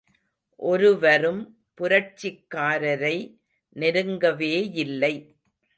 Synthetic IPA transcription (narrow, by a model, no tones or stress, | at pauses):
ʔɔɾɯʋɐɾɯm | pʊɾɐt͡ʃːɪkːaːɾɐɾɐɪ | nɪɾɯŋɡɐʋeːjɪlːɐɪ